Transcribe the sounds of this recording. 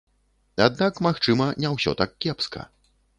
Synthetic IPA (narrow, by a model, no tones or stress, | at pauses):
ad̪̚nakmaxt͡ʂɨmɐnʲɛwsʲɔ̰t̪ak̚kʲːɛpskɐ̰